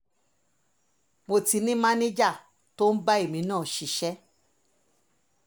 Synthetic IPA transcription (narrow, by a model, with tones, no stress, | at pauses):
mo˧ti˧nĩ˦mã˦nẽ˦d͡ʒa˦˨ | to˦n̩˦ba˦e˦˨mĩ˨˦nãː˦˨ʃi˨ʃɛ˦